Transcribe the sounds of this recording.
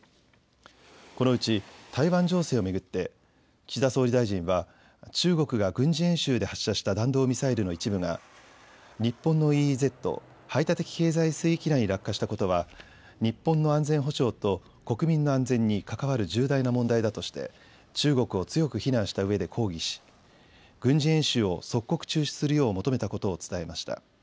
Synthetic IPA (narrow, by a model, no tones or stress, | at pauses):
ko̞no̞ɯ̟t͡ɕit̪ʰaiβãɲ̟d͡ʑo̞ːse̞ːo̞me̞ɡɯ̟t̪ːe̞ | t͡ɕid̪aso̞ːɾid̪aiʑĩɰ̃βa | t͡ɕɨːɡo̞kɯ̟ɡaɡɯ̟̃ɲ̟d͡ʑiẽ̞ɰ̃ɕɨːd̪e̞haɕːaɕi̥t̪ad̪ãnd̪o̞ːmʲisaiɾɯno̞it͡ɕibɯ̟ŋa̰ | ɲ̟ipːõ̞nːo̞ize̞t̪ːo̞̰ | hait̪at̪e̞kʲi̥ke̞ːzaisɨikʲiɾaɲ̟iɾakːaɕi̥t̪ako̞t̪o̞βa | ɲ̟ipːõ̞nːo̞ãnd͡zẽ̞ɰ̃ɦoɕo̞ːt̪o̞ | ko̞kɯ̟mʲĩnːo̞ãnzẽ̞ɲ̟ːikakaβ̞aɾɯ̟ʑɨːd̪ainamõnd̪aid̪at̪o̞ɕi̥t̪e̞̰ | t͡ɕɨːɡo̞kɯ̟o̞t͡sɨjo̞kɯ̟çinãɰ̃ɕi̥t̪aɯ̟e̞d̪e̞kʰo̞ːɡʲiɕi̥ | ɡ̥ɯ̟̃ɲ̟d͡ʑiẽ̞ɰ̃ɕɨːo̞so̞kːo̞kɯ̟̥t͡ɕɨːɕi̥sɨɾɯjo̞ːmo̞t̪ome̞t̪ako̞t̪o̞ːt͡sɨ̥t̪ae̞maɕi̥t̪a̰